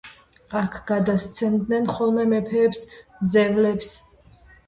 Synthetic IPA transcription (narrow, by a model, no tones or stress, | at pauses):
akʰɡ̥ad̪ast̪sʰɛmd̪nɛnχɔlˠmɛmɛpʰɛːpsmd̪zɛvlɛps